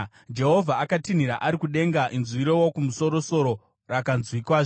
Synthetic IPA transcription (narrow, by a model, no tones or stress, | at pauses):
d͡ʒe̞ɦo̞vʱaakatin̤iɾaʔaɾikuɗe̞ŋɡaʔinzʋiɾowokumuso̞ɾo̞so̞ɾo̞ | rakanzwikwaʐ